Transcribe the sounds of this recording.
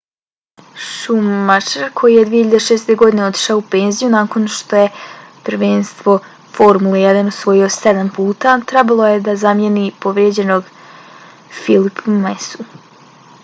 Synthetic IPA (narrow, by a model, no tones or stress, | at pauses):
ʃumat͡ʃeɾkʰo̞jijed̪ʋiːçiʎjad̪eʃeːst̪e̞ɡo̞d̪ine̞o̞t̪i̥ʃaoupeːnzijunaːko̞nʃt̪o̞je̞prɾʋeːnst̪ʋo̞ | foɾmulejɛd̪anusʋo̞josed̪ampuːt̪at̪ɾɛbalˠo̞jed̪azamjenipo̞ʋɾjed͡ʑe̞noɡ | filipʰumesu